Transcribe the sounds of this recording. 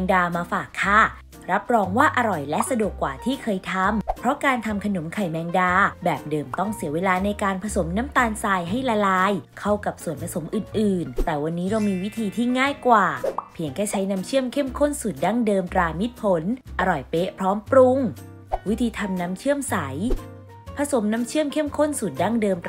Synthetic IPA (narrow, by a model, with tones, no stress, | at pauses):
ɛ˧ŋdaː˧maː˧faː˨˩kʰːaː˥˩ | ɾa˦˥p̚ɾɔː˧ŋwaː˥˩ʔa˧ɾɔ˨˩jlɛ˦˥ʔsa˧du˨˩əkːwaː˨˩t̪ʰiː˥˩kʰɤː˧jt̪ʰa˧mpʰɾɔ˦˥kaː˧nt̪ʰa˧mkʰa˧no˩˦mkʰa˨˩jmɛː˧ŋdaː˧bɛː˨˩p̚dɤː˧mt̪ɔ˥˩ŋsi˨˩˦weː˧laː˧na˧jkaː˧npʰa˧so˩˦mnaː˦˥mt̪aː˧nsaː˧jɦa˥˩jlaː˧laː˧jkʰa˥˩wka˨˩p̚su˨˩ənpʰa˧so˩˦mʔɯː˨˩nʔɯː˨˩nt̪ɛː˨˩wa˧nːiː˦˥ɾa˧wmiː˧wi˦˥t̪ʰiː˧t̪ʰiː˥˩ŋaː˥˩jkwaː˨˩pʰi˨˩˦əŋkʰɛː˥˩t͡ɕʰa˦˥jna˦˥mt͡ɕʰɯ˥˩əmkʰe˥˩mkʰo˥˩nsu˨˩t̪̚daː˥˩ŋdɤː˧mt̪ɾaː˧mi˦˥t̪̚pʰo˩˦nʔa˧ɾɔ˨˩jpeː˦˥pʰɾɔː˦˥mpɾu˧ŋ | wi˦˥t̪ʰiː˧t̪ʰa˧mna˦˥mt͡ɕʰɯ˥˩əmsa˩˦j | pʰa˧so˩˦mnaː˦˥mt͡ɕʰɯ˥˩əmkʰe˥˩˥mkʰo˥˩nsu˨˩t̪̚daː˥˩ŋdɤː˧m